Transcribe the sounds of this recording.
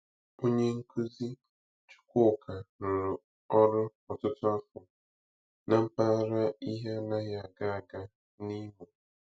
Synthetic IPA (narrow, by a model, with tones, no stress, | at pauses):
o˦ɲe˦ŋ̩˦ku˦zi˦ | t͡ʃu̥˦kʷo˦˨kʰa˨ɾʊ˨ɾʊ˨ | ɔ˦ɾʊ˦ɔ˨tʊ˦tʊ˦a˦fʊ˨ | na˨m̩˦pa˦ɾa˦i˦ɦe˦na˦ɣa˨a˨ɡa˨a˨ɡa˦ | ni˦ɦʊ˨